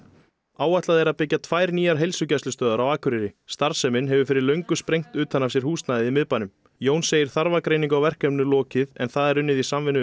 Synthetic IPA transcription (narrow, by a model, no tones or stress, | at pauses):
aːwat̪laðɛɾaðpɪcːat̪ʰvaːjɾniːjaɾ̥ɦejlsʏcɛslʏst̪œːðaɾawaːkʰʏɾɪɾɪst̪aɾ̥sɛmɪnɦɛvʏfɪɾɪɾlœɥŋkʏspɾejŋ̥t̪ʏːt̪hanːafsjɛɾ̥huːst̪naðɪðimɪðpanʏm | joːwnsːeːjɪɾ̥θaɾvakɾejniŋkawvɛr̥kɛmnʏlɔːcɪðɛ̰nθaðɛɾʏnːɪðisamvɪnːʏ